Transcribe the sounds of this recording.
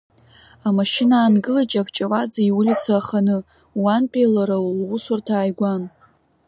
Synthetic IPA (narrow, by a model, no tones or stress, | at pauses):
amaʃɪnaːnɡɨlat͡ʃʼavt͡ʃʼawad͡zaiwʊlit͡sʰaːχanɨ | wanpʼilaɾalwʊsartʰaːjɡʷan